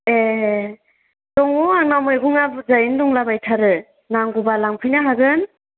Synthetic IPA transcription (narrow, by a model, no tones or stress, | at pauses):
e | tɔŋuaŋnamɯjɡuŋabuzajɯndɔŋlabajtʰaɾɯ | naŋɡubalaŋpʰɯjnaɦaɡɯn